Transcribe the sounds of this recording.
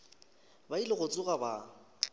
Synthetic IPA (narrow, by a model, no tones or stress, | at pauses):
bailɪɣʊt͡sʼʊɣaba